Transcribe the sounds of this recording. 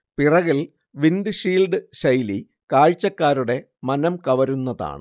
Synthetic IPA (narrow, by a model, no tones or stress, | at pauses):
pirɐɣil | ʋinɖɨɕiːlɖɨɕɐjli | kaːɻt͡ɕːɐkːaːɾuɽe̞ | mɐnɐmkɐʋɐɾunːɐða̰ːɳɨ̰